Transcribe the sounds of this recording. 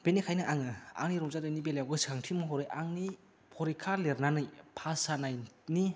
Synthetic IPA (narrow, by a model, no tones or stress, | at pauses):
b̥enikʰajnɯʔaŋɯa̰ŋniɾɔmzadɯjnibeljawɡɯsaŋtʰimɯɦɔɾɯjʔaŋni | pʰɔɾikʰaɾleɾnanɯjpʰasanajni